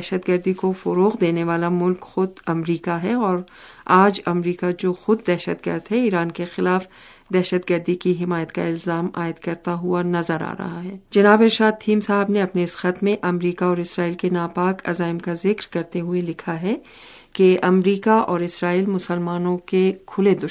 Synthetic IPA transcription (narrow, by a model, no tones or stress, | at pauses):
ɛʃəd̪ɡɐɾd̪ikofɔɾoːqd̪eːneʋaːlamʊlkxʊd̪ɐmɾiːkaɦɛɔːɾ | aːd͡ʒɐmɾiːkad͡ʒoːxʊd̪̚ːɛːʃəd̪ɡə̰ɾd̪ɦɛiːɾaːnkexɪlaːf | d̪ɛːʃəd̪ɡəɾd̪ikiɦɪmaːjət̪ka̰ɪlzaːma̰ːɪd̪kɐɾt̪aɦʊanɐzəɾa̰ːɾɐ̰ɦaɦɛːd͡ʒɐnaːbɪɾʃaːd̪̚t̪ʰiːmsaːɦɪbneɐpneɪsxɐt̪mẽʔɐmɾiːkaɔːɾɪsɾaːiːlkenaːpaːkɐ̰zaːɪmkazɪkɾkɐɾt̪eɦʊelɪkʰaɦɛ | keɐmɾiːkaʔɔːɾɪsɾaːiːlmʊsəlmaːnõkekʰʊled̪ʊ